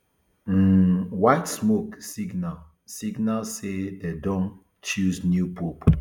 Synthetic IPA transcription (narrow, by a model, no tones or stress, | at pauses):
m̩waɪtsmoksiɡnal | siɡnalsededɔ̃ŋ | t͡ʃuznjupop